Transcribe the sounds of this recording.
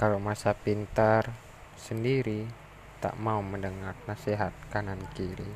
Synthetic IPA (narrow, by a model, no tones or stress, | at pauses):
kalomasapint̪ar | səndiɾi | t̪a̰ʔmauməndəŋarnaseɦat̪̚kanankiɾi